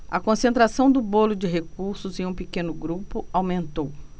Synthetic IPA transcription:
ɐkõsẽnt̪ɾasɐ̃w̃d̪ʊbolʊd͡ʒɪɦekuɾsʊzẽũpekẽnʊɡɾupʊawmẽnt̪ow

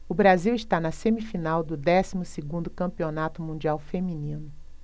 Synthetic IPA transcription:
ʊbɾaziwiʃt̪anɐsẽmifinawd̪ʊd̪ɛsimʊsɪɡũnd̪ʊkɐ̃mpionat̪ʊmũnd͡ʒiawfemĩnĩnʊ

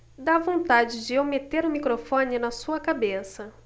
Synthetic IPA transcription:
d̪avõnt̪ad͡ʒɪd͡ʒɪeowmet̪eɾʊmikɾofõnɪnɐsuɐkabesɐ

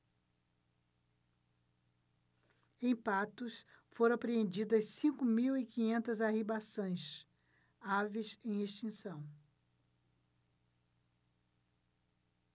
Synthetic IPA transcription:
ẽj̃pat̪ʊsfoɾõapɾeẽnd͡ʒid̪ɐssĩkʊmiwɪkĩɲẽnt̪ɐzaɦibasõj̃s | avisẽj̃eʃt͡ʃĩsɐ̃w̃

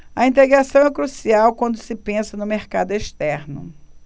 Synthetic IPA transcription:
ɐĩnt̪eɡɾasɐ̃w̃ɛkɾusiawkwɐ̃nd̪ʊsɪpẽsɐnʊmeɾkad̪ʊeʃt̪ɛɾnʊ̰

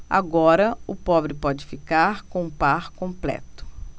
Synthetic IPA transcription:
a̰ɡɔɾɐʊpɔbɾɪpɔd͡ʒɪfikaɾkõũpaɾkõmplɛ̰t̪ʊ̥

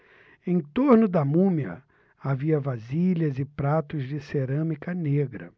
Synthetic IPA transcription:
ẽj̃t̪oɾnʊd̪ɐmũmiɐ̰ | aviɐvaziʎɐzɪpɾat̪ʊzd͡ʒɪseɾɐ̃mikɐneɡɾɐ̰

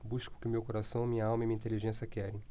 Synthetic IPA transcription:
buʃkʊ̥kɪʊmewkoɾasɐ̃w̃mĩɲɐawmɐimĩɐĩt̪eliʒẽsijɐkɛɾẽj̃

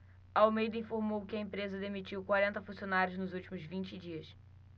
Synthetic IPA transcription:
ɐawmejd̪ɐĩfoɾmowkɪɐẽmpɾezɐd̪emit͡ʃiwkwaɾẽnt̪ɐfũsionaɾjʊznʊzuwt͡ʃimʊzvĩnt͡ʃɪd͡ʒiɐs

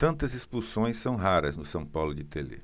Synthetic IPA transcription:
t̪ɐ̃nt̪ɐzespusõj̃sːɐ̃w̃ɦaɾɐznʊsɐ̃pawlʊd͡ʒɪt̪elḛ

